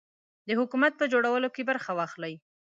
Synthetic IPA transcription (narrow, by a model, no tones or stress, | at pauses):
d̪əhʊkumat̪̚pəd͡ʒoɽawəlokebəɾxawɑxlaj